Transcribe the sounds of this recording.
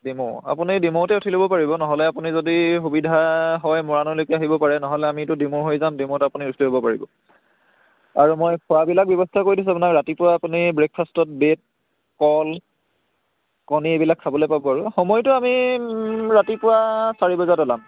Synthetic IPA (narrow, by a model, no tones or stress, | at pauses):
dimɔa̰punidimotɛutʰilobɔpaɹibɔnɔɦɔlɛapunizodixubidʱaɦɔjmɔɹanɔlokɛaɦibɔpaɹɛnɔɦɔlɛamitʊdimoɹɦojzamdimõtɛapuniutʰiliɦobɔpaɹibɔ̰ | aɹumojpʰɔwabilak̚bjɔbɔstʰakoɹidis̬uapunakɹatipʊwaːpunibɹek̚fʰastɔt̚bet̚ | kɔl | kɔniebilakʰːabɔlojpabɔaɹuxɔmɔjtʊami | ɹatipʊwasaɹibɔzadɔlam